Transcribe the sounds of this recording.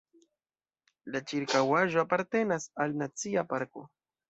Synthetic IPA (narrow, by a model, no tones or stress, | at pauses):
lat͡ʃiɾkawaʒoapaɾt̪enasalnat͡siapaɾko